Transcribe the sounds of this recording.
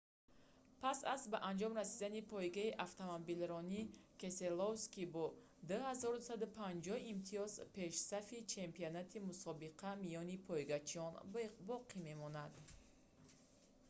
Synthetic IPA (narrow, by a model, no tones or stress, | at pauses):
pʰasazbaʔand͡ʒɔmrasid̪anipʰɔjɡaiʔaft̪ʰomobilɾɔnike̞selowskibɔ | d̪uhazɔɾd̪usad̪upʰand͡ʒɔhimt̪ʰiɔzpʰe̞ʃsafit͡ʃʰe̞mpionat̪ʰimusɔbiqʰamijɔnipʰɔjɡat͡ʃʰiɔnbɔqʰime̞mɔnad̪